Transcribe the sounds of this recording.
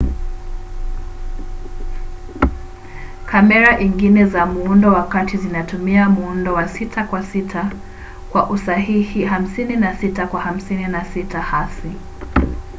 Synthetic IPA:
kʰamɛɾaʔiŋɡinɛzamuundɔwakatizinatumiamuundɔwasitʰakwasitʰa | kwaʔusaɦihiɦam̩sininasitakwaham̩sininasitahasi

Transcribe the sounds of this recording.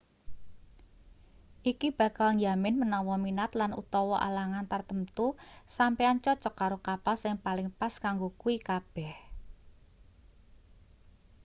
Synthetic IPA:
ʔikib̥ä̤kalnjamɪnmənɔwɔminat̪lanṵt̪ɔwɔʔa̰laŋant̪art̪əmt̪usampeant͡ʃɔt͡ʃɔkaɾokapalsɪŋpalɪŋpaskaŋɡokuikab̥ɛh

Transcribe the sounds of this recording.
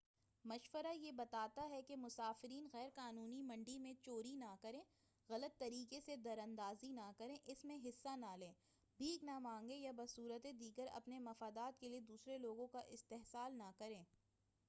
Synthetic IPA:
mɐʃwəɾajebɐt̪aːt̪aɦɛkemʊsaːfɪɾiːnɣɛːɾkaːnuːnimɐ̃ɳɖimẽt͡ʃoːɾinakɐɾẽː | ɣɐlət̪ːɐɾiːkesed̪ɐɾɐ̃nd̪aːzinakɐɾẽʔɪsmẽɦɪsːanaːlẽː | bʱiːknamãːŋɡẽjabɐsuːɾət̪ed̪iːɡəɾɐ̰pnemɐfaːd̪aːt̪̚kelied̪uːsɾeloːɡõkaʔɪst̪eɦsaːlnakɐɾẽː

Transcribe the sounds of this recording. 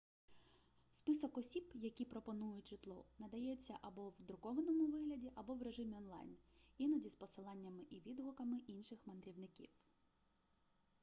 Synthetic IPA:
spɪsɔkɔsʲibjɐkʲipɾɔpɔnujʊtʲʒ̥ɪt̪lˠɔnɐd̪ɐjɛt͡sʲːɐʔɐbɔwd̪ɾʊkɔʋɐnɔmʊʋɪɦlʲɐdʲiʔɐbɔwɾe̞ʒɪmʲiɔnlˠɑ̰jninɐdʲispɔsɪlˠɑnʲːɐmɪʔiʋʲid̪ɦɔkɐmɪʔinʃɪxmɐnd̪ɾʲiwnɪkʲḭw

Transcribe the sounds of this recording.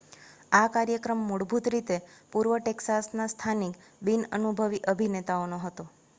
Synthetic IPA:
akaɾjəkɾəmːuɽbʱut̪ɾit̪epuɾʋəʈeksasnast̪ʰanik | binənubʱəʋiʔəbʱinet̪aonoɦət̪o

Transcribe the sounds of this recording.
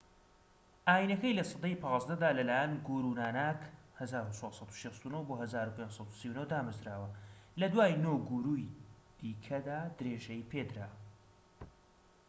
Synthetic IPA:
ʔaːjinɐkɐjlɐsˤɨd̪ejpʰɑːzd̪ɐd̪aːlɐlaːjɛnɡuɾuːnaːnaːkhɐzaːɾut͡ʃʰɑsˤɑt̪u̥ʃest̪unowboːhɐzaːɾupensˤɑt̪u̥siwunod̪aːmɨzɾaːwɐlɐd̪waːjnoːwɡuɾujd̪̥iːkʰɐd̪aːd̪ɨɾeːʒɐjpʰeːd̪ɾaː

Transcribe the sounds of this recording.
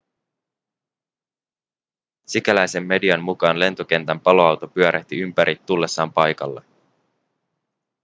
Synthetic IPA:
sikælæjse̞mːe̞diɑmːukɑːnle̞nt̪o̞k̟e̞nt̪æmpɑlo̞ɑwt̪opyæɾʔæht̪iympæɾʔit̪ːulːe̞sːɑːmpɑjkɑ̰lːe

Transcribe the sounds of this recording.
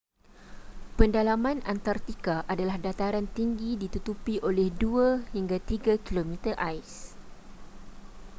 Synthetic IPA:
pəndalamãnant̪art̪ikaʔadalahdat̪aɾant̪iŋɡidit̪ut̪upiʔolɛhduahiŋɡat̪iɡakilomit̪ərʔajs

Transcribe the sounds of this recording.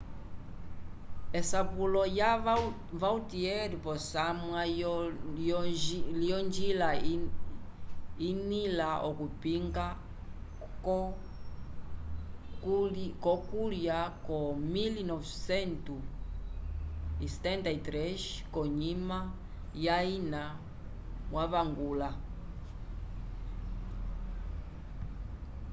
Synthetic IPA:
esapulɔja | vawutiɛɾipɔsamwa | liɔnd͡ʒila | inilaʔɔkupiŋɡa | kɔkuljakɔmilinɔfsɛntu | istɛntaitɾɛʃkɔɲima | jaina | mwaβaŋɡula

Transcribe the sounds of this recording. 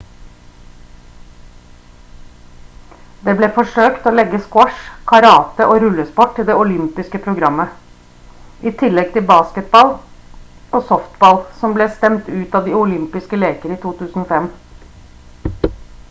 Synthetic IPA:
d̪eːbleːfɔʂøːkt̪oːlɛɡəskwɑʂkʰɑɾɑːt̪əʔoːɾʉləspɔʈ̚ʈ̪ɪld̪ɛːʊlʏmpɪskəpʰɾʊɡɾɑmːə | ʔit̪ʰɪlɛɡ̚t̪ʰɪlbɑːskət̪̚bɑl | oːsɔft̪bɑlsɔmbleːst̪ɛmt̪ʉːt̪ɑːʋd̪iːʊlʏmpɪskəleːkəɾəiːt̪ʰuːt̪ʰʉːsn̩oːfɛm

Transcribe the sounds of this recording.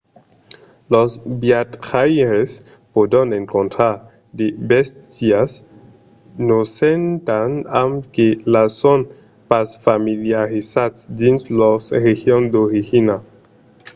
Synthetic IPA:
losbiatχajɾes | podoneŋkontɾa | debestias | nosentanamkelason | pasfamiliaɾisat͡sdinslosɾehiond̪oɾihina

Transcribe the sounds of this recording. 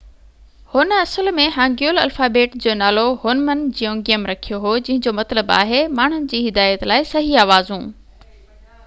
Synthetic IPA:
hʊnɐsəlmẽɦãːŋɡjuːlɐ̰lfaːbeːʈd͡ʑoːnaːloɦoːnmənd͡ʑijõːŋɡijəmɾɐkʰijoɦod͡ʑɐ̃ɦɪ̃ɲd͡ʑoːmɐt̪ləba̰ːɦemaːɳ̤ʊnɪ̆d͡ʑiːɦɪd̪aːjət̪laːɪsɐɦiaːʋaːzũː

